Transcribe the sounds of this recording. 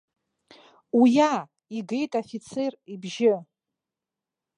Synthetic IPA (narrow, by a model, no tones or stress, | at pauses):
uja | iɡejtʼafit͡sʰeribʒɪ